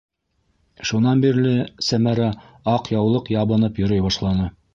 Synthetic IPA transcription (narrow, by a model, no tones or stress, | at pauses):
ʃunɑnbiɾlɘsæmæɾɑ | ɑqjɑwlˠɤqjɑβɤ̆nɤpjɵ̆ɾɤjbɑʃlˠɑnɤ